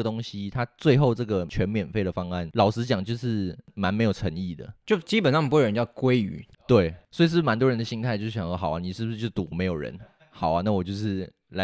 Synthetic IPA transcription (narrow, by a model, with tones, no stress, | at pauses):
ə˩t̪o˥ŋɕi˦˥t̪ʰa˥t͡swe˥˧ɪxo˥˧ʊʈ͡ʂɤ˥˩ɡə˩t͡ɕʰɥɛ˧˥nmjɛ˨˩nfe˥˩ɪɾə˩fɑ˥ŋa˥˩nlɑ˨˩ʊʂɻ̩˥t͡ɕjɑ˨˩ŋt͡ɕjo˥˧ʊʂɻ̩˥˩ma˧˥nme˧˥jʈ͡ʂʰə˧˥ŋi˥˩d̪ə̰˩t͡ɕjo˥˧ʊt͡ɕi˥pə˨˩nsɑ˥ŋ˨pːə˧˦˥jɑ˥˩kwe˥ɪy̰˨˩˦t̪we˥˩ɪswɔ˧˥ɪi˨˩ʂɻ̩˥˩˥ma˧˥nt̪wɔ˥ɻə˧˦nd̪ə˧ɕi˥ŋt̪ʰa˥ɪt͡ɕjʊ˥ɕxɑ˨˩ʊɐ˨˦ni˨˩ʂɻ̩˥˩buʂ̩˥˧t͡ɕjo˥˩ʊt̪u˨˥˦me˧˥ɪjo˨˩ɻə̰˧˦n | xɑ˨˩ʊɐ˦na˥˩wɔ˨˩t͡ɕjo˥˧ʊʂɻ̩˥˩ | la˧